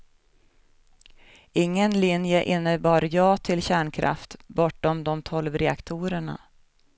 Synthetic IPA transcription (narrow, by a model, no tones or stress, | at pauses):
ɪŋːənlɪnjəʔɪnːəbɑːɾjɑːt̪ʰɪlɕæːɳkʰɾʔa̰ft̪bɔʈːɔmd̪ɔmt̪ʰɔlvɾɛakt̪ʰuːɾəɳa̰